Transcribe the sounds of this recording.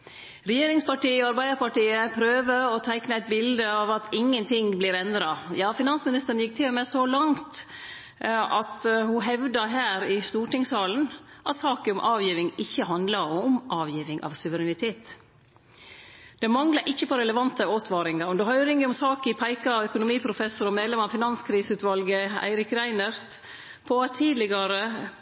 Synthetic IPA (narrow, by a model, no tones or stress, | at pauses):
ɾɛjeːɾɪŋspɑʈiːəɔɑɾbæɪd̪əɾpɑʈiːəpʰɾøːʋəɾɔt̪ʰæɪknəæɪt̪̚bɪld̪əɑʋɑt̪ɪŋːənt̪ʰɪŋblɪɾɛnd̪ɾɑjɑːfɪnɑnsmɪnɪst̪əɾn̩jɪk̚ːt̪ʰɪlmɛsɔlɑŋt̪ | ɑt̪hʊɦɛʋd̪ɑɦæːɾɪst̪uːʈɪŋsɑːln̩ʔɑt̪sɑːkəʊmʔɑːʋjiːʋɪŋɪçːəɦɑnd̪lɑɾɔmʔɑːʋjiːʋɪŋʔɑ̰ʋsʉʋəɾɛnɪt̪ʰeːt̪ | d̪̥ɛmɑŋlɑɾʔɪçːəpʰɔɾɛləʋɑnt̪əoːt̪ʰʋɑːɾɪŋɑɾd̪ɛɦœʏɾɪŋəɔmsɑːkɪpʰæɪkɑɑœkʊnʊmiːpʰɾʊfɛsʊɾɔmeːd̪lɛmɑʋfɪnɑnskʰɾiːsʉːt̪ʋɑlɡəæ̰ɪɾɪkɾæɪnɑɾt̪ | pʰɔɑt̪ʰːiːd̪lɪɡɑɾə